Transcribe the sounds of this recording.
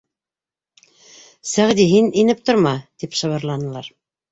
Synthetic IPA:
sæʁd̪iɦininɘp̚t̪ŏɾmɑt̪ipʃɤ̆βɤ̆ɾlˠɑnɤ̆lˠɑɾ

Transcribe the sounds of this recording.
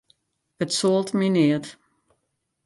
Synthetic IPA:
ətsoəlˠtminiət

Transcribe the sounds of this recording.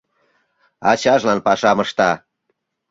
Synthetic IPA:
ɑt͡ɕɑʒlɑnpɑʃɑməʃt̪ɑ

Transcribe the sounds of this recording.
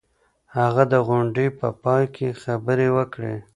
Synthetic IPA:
haɣad̪əɣʊɳɖəpəpɑjkʰexabəɾewəkɽḛ

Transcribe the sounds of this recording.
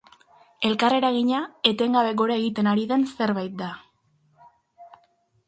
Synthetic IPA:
e̞lkare̞ɾaɣiɲae̞t̪e̞ŋɡaβe̞ɣo̞ɾae̞ɣit̪e̞naɾiðe̞nse̞ɾβajt̪̚d̪a

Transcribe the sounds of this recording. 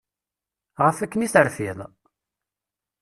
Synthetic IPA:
ʁəfækːənisəɾfiðˤ

